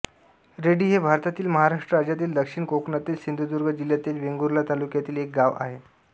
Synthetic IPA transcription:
ɾeɽiːɦebʱaɾt̪at̪iːlməɦaɾaʂʈɾəɾad͡ʑjat̪iːld̪əkʂiɳkoknat̪iːlsind̪ʱud̪uɾɡəd͡ʑiljat̪iːlʋeŋɡuɾlat̪alukjat̪iːlek̚ɡaʋa̰ɦe

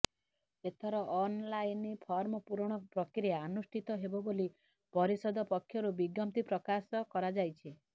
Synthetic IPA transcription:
et̪ʰɔɾɔʔɔnlajnipʰɔɾmɔpuɾɽ̃ɔpɾɔkɾijaːnusʈʰit̪ɔɦebɔboli | pɔɾisɔd̪ʱɔpɔkʰːjɔɾubiɡɔmt̪ipɾɔkasɔkɔɾad͡ʒajt͡ʃʰi

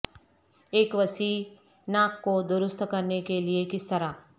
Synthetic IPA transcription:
eːkʋɐsiː | naːkːod̪ʊɾʊst̪ʰkɐɾnekeliekɪst̪ɐɾaː

